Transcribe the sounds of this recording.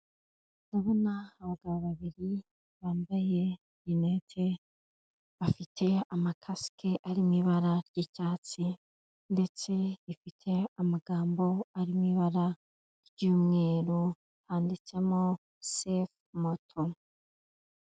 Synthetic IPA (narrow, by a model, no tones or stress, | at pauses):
nuβunaaβaɡaβaβaβiɾi | βaːmbaje̞ | inetʰe | βafitʰe̞amakʰaskʰeʔaɾimiβaɾaɾɟicaːt͡si | nde̞t͡se̞ifitʰe̞amaɡaːmbo̞aɾimiβaɾa | ɾɟuːmŋe̞ːɾo | haːndit͡se̞mo | sef | motʰo